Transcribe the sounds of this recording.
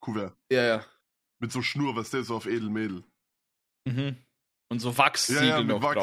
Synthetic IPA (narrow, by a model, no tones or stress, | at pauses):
kʰuvɛɐjaːjaː | mɪtz̥oːʃnuːɐvasd̥eːzoːaʊfeːdl̩meːdl̩ | m̩ɦm̩ | ʊntz̥oːvaksjaijamɪva